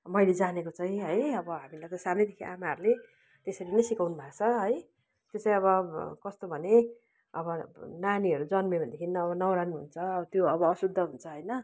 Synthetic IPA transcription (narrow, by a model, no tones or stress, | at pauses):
mʌjled͡zanekot͡saĩɦʌjʌbʌɦamilajt̪ʌsanʌjd̪ekʰiʔamaɦʌɾule | t̪esʌɾinʌjsikawnubʱakt͡sʰʌɦʌj | t̪jot͡sãĩʌβʌkʌst̪obʱʌne | ʌbʌnaniɦʌɾud͡zʌnmebʌnd̪ekʰinnʌːβʌnʌwɾanɦunt͡sʰʌʌt̪joʌbʌːsud̪ʱːʌɦunt͡sʰʌɦʌjnʌ